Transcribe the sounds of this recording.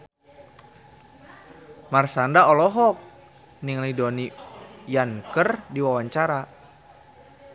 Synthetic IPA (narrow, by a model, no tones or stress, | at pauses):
marsandaɔlɔɦɔk̚ | niŋlidɔnijaŋkərdiwawaɲt͡ʃaɾa